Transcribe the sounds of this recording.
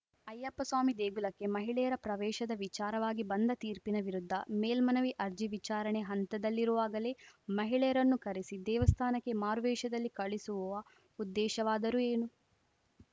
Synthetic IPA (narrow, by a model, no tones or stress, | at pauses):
ɐjːɐpːɐsʋaːmid̪eːɡulɐkːe̞mɐɦiɭɛjɐɾɐpɾɐʋɛːʃɐd̪ɐʋit͡ʃaːɾɐʋaːɡibɐnd̪ɐt̪iːɾpinɐʋiɾud̪ʱːɐmeːlmɐnɐʋiʔɐɾd͡ʒiʋit͡ʃaːɾɐɳeɦɐnt̪ɐd̪ɐlːiɾuʋaːɡɐleːmɐɦiɭɛjɐɾɐnːukɐɾisid̪ɛːʋɐst̪ʰaːnɐkːe̞maːɾʋɛːʃɐd̪ɐlːikɐɭisuʋuʋɐ | ud̪ːɛːʃɐʋaːd̪ɐɾueːnu